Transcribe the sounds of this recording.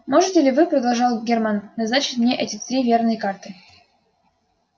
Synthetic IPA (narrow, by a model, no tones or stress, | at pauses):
moʐɨtʲɪlʲɪvɨpɾəd̪ɑlˠʐɑlˠɡʲermɑnːaznɑt͡ɕɪ̥t̪ʲmnʲeʔɛtʲɪt̪ɾʲivʲernɨjkɑrt̪ɨ